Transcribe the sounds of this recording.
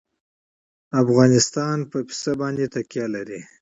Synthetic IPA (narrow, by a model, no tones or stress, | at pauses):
afɣɑnɪst̪ɑnpəpi̥sabɑnd̪et̪akjɑlaɾi